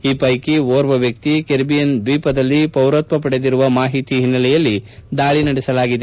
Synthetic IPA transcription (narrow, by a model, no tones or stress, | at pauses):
iːpɐjkioːɾʋɐʋjɐk̚t̪ikeɾbijend̪ʋiːpɐd̪ɐlːipɐwɾɐt̪̚mɐpɐɽe̞d̪iɾuʋɐmaːɦit̪iɦinːɐlɛjɐlːid̪aːɭinɐɽɛsɐlaːɡid̪e